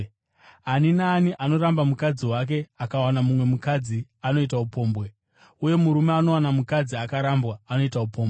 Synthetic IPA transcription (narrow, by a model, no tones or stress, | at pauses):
aninaːniʔano̞ɾambamukad͡ziwak̬e̞akawanamumwe̞mukad͡ziano̞it̬aupo̞ːmbwe | uje̞muɾumeano̞wanamukad͡ziakaɾambwaːno̞itaupo̞ːmbe